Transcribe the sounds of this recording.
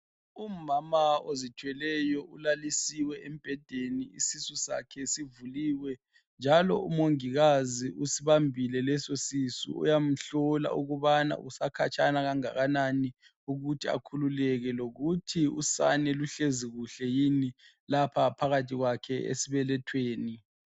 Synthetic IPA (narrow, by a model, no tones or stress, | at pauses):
umamaozit͡ʃʰwɛlɛjɔʔulalisiwɛʔem̩ib̥ʱɛd̥ʱeniḭsisusa̰kʰɛsivuliːwɛ | nd͡ʒʱalɔ̰ṵmoŋiɣaziʔusiβambʱilɛlɛsosisṵṵjam̩ɬɔla̰ʔuɣuβana̰usakʰat͡ʃʰʼanaɣaŋa̰ɣanani | uɣutʰia̰kʰululɛɣɛloɣutʰiṵsa̰nɛluɬeziɣuɬɛjini | lapʰapʰaɣatʰiɣwakʰɛḛsiβɛlɛtʰweːni